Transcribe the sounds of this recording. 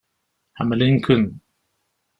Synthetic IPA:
haməliŋkʰɯn

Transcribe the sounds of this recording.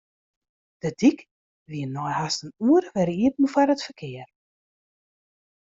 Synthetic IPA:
d̥ədik | ʋiənːɔjhastənuːəɾʋɛɾəiət̚n̩faɾətfərkʰɪər

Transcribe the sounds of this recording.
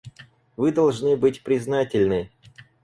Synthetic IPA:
vɨd̪ɐlˠʐnɨbɨtʲpɾʲɪznatʲɪlʲnɨ

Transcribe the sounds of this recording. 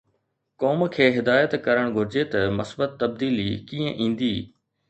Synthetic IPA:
kɔːmkʰeːɦɪd̪aːjət̪kɐɾəɽ̃ɡʱʊɾɪd͡ʑet̪ɐmɐsbət̪ːɐb̚d̪iːlikiːə̃ʔĩːn̆d̪iː

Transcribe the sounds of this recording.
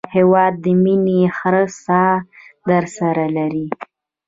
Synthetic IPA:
hewɑd̪̚ːəminexɾəsɑd̪əɾsaɾalaɾi

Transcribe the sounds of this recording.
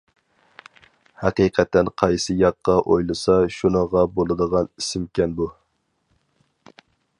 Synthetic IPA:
hæqiqʰɛt̪ːɛnqʰɑjsɨjɑqːɑʔojlˠɨsɑʃunəʁɑbolˠɨd̪əʁɑnisɪmkʲʰɛnbu

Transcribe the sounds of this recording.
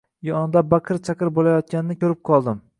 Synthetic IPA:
jɒnd̪abaqʰɨɾt͡ʃʰaqɨɾbolajɒt̪̚kʲanɪnɪkʲʰɵɾɪp̚qʰɒlˠd̪ɪm

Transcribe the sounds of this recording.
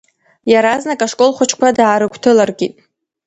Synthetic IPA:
jaɾaznakʼaʂkʼo̞lˠχʷat͡ʃʰkʷʰadaːɾɨkʷʰtʰɨlarɡʲitʼ

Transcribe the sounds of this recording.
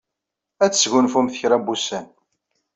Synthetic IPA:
æt͡sːsʝʊnfumθəçɾæbusæn

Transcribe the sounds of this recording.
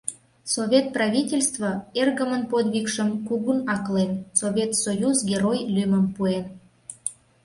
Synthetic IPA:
sovʲet̪̚prɑvʲitʲelʲst̪vəerɣəmənpod̪βikʃəmkuɣunɑklensovʲet̪sojuzɡʲeɾojlyməmpuen

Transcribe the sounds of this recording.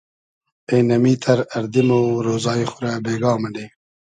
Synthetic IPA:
enɐmiːt̪ʰɐɾaɾd̪imoɾoːzɑːixʊɾabeːɡɑːmaɳɖeː

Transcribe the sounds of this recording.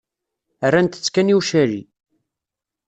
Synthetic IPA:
ərːant̪ə̥t͡sːkæniuʃæɾḭ

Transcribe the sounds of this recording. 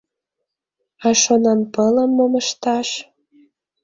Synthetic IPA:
ɑʃonɑnpələmːoməʃt̪ɑʃ

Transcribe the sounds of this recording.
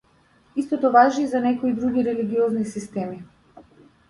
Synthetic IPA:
ist̪ɔt̪ɔvaʒiːzanɛkɔid̪ɾuɡiɾɛliɡiɔznisist̪ɛmi

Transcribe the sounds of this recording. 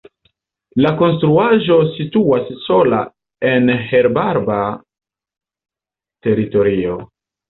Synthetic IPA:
lako̞nstɾuaʒo̞situasːo̞la̰ | enhe̞ɾbaɾba | te̞ɾito̞ɾio̞

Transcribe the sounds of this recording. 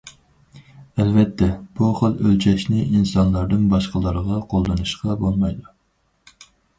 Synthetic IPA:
ɛlvɛt̪ʰːɛb̥uχəlˠølt͡ʃʰɛʃnɪinsɑnlˠɑɾd̪ɨnbɑʃqəlˠəɾʁɑqʰolˠːɨnɨʃqɑbolˠmɑjd̪u

